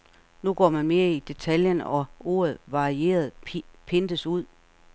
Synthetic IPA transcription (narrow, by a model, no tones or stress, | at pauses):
nuɡ̥ɒ̰ːmænme̝ːɐid̥e̝t͡sʰæljənɒ̽o̝̰ːɐð̞̩ˠʋɑ̈ʁie̝̰ːɐð̞ˠpʰe̝nd̥əsuð̰ˠ